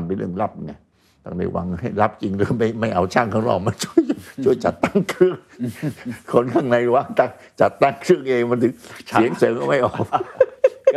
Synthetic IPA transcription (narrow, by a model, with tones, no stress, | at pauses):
npe˧nlɯ̰˥˩əŋla˦˥˩p̚ŋa˧˩j | t̪a˧˩ŋda̰˧˩jwa̰˧ŋha˥˩jla˦˥p̚t͡ɕi˧ŋlɯ˧˩ma˥˩jma˥˩jʔa˧wt͡ɕʰaː˥˩ŋkʰaː˧˩ŋlɔ̰ː˧˩k̚ma˧nt͡ɕʰu˥˩ə˨jt͡ɕʰu˥˩əjt͡ɕa̰˨˩t̪ːa˥˩ŋkʰɾɯ˥˩əŋ | kʰo˧˥nkʰaː˧˥˩ŋna˧jwa˧˥˩ŋt̪a˧˩ŋ | t͡ɕa˨˩t̪ːa˥˩ŋkʰɾɯ˥˩əŋʔeː˧ŋma˧nt̪ʰɯ˨˦ŋ˨i˨˦əŋsɤː˨˦ŋkɔ˧˩ma˥˩jʔɔː˨˩k̚